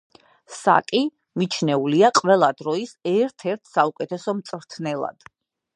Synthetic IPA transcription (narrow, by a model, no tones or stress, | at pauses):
sa̰kʼi | mit͡ʃʰnɛuliaqʼvɛlˠad̪ɾɔisɛɾt̪ʰɛɾt̪ʰsaukʼɛt̪ʰɛsɔmt̪sʼvɾt̪ʰnɛlˠa̰d̪̥